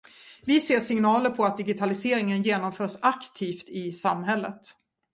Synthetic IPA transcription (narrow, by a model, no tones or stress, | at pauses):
vɪseːʂɪŋnɑːləɾpʰɔat̪̚d̪ɪɡɪt̪ʰalɪseːɾɪŋənjeːnɔmfœːʂakt̪ʰiːft̪ɪsamɦɛlːət̪